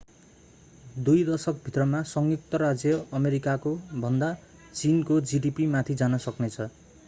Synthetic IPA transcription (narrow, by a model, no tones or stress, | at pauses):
d̪ujd̪ʌsʌkbʱit̪rʌmasʌŋɡik̚t̪ʌɾad͡zjʌʌmeɾikakobʱʌnd̪a | t͡sinkod͡ziɖipimat̪ʰid͡zanʌsʌknet͡sʰʌ